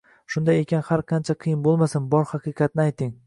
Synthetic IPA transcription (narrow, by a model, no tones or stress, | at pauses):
ʃʊnd̪ajekʲʰanhaɾqʰɑnt͡ʃʰaqʰɨjɪnbolˠmasɪnbɒɾhɑqɨqʰɑt̪̚nɪajt̪ʰɪŋ